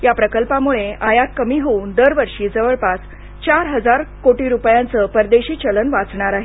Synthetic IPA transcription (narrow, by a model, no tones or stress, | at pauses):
japɾəkəlpamuɭeajat̪kəmiːɦouːnd̪əɾʋəɾʂiːd͡zəʋəɭpas | t͡ɕaɾɦəd͡zaɾkoʈiɾupjant͡səpəɾd̪eɕiːt͡ɕələnʋat͡sɳ̃aɾaɦe